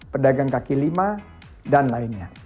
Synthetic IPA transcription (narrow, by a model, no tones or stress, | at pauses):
pədaɡaŋkakilima | danlaɪnɲa